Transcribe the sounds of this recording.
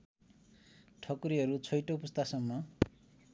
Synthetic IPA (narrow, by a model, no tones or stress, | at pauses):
ʈʰʌkuɾiɦʌɾut͡sʰʌjʈopʌst̪ʰasʌmːʌ